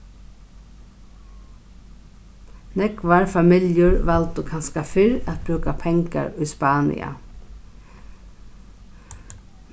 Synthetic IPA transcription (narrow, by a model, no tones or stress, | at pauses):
nɛkʋaɹfamɪljʊɹʋalt̪ʊkʰanskafɪɾat̪̚bɾʉːkapʰɛŋka̰ɹʊspɑːnɪ̰a̰